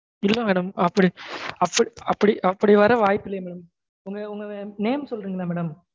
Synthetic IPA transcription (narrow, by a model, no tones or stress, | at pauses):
ɪlːɐmeːɽɐmɐpːɐɽiɐpːɐɽiɐpːɐɽiʔɐpːɐɽiʋɐɾɐʋaːjpːɪlːɐjmɛːɽɐm | ʊŋɡɐʊŋɡɐneːmsɔlɾiːŋɡɐlaːmɛːɽɐm